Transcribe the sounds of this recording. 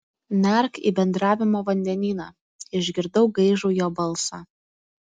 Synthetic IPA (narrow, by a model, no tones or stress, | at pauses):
mʲɛˑɾkḭbʲɛnd̪ɾɑːʋʲɪmoːʋɐnʲd̪ʲɛnʲiːnɑ | ɪʒʲɡʲɪɾd̪ɐʊɡɐɪʒuːjoːbɐlˠsɑ̰